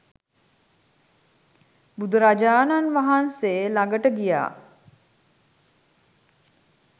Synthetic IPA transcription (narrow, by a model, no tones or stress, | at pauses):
bud̪uɾad͡ʒaːnanʋaɦanselaɡəʈəɡija̰ː